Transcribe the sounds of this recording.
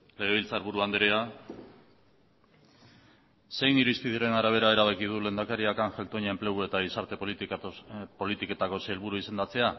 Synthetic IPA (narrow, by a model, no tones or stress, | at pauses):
le̞ɣ̞e̞β̞ilt͡saɾβuɾuand̪eɾea | se̞jniɾuist̪iðuɾe̞naɾaβ̞e̞ɾae̞ɾaβ̞ekið̞ule̞nd̪akaɾiakaŋʝe̞lt̪o̞ɲae̞mple̞ɣue̞t̪aisaɾt̪e̞p̪ | po̞lit̪ike̞t̪ako̞seelβuɾuise̞nd̪at͡se̞a